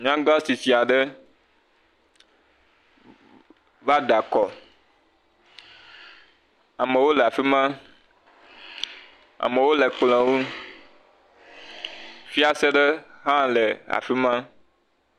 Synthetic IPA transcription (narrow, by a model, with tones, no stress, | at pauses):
ɲ˦ã˦ɡã˦si˨si˨a˨ɖə˦ | va˦ɖa˨kɔ˨ | a˨mə̃˨wo˦le˨a˨fi˦mã˦ | a̰˨mẽ˨wo˦le˨k͡plɛ̃˨wu˦ | fi˦a˦se˦ɖə˦hã˦lɛ˨a̰˨fi˦mã˦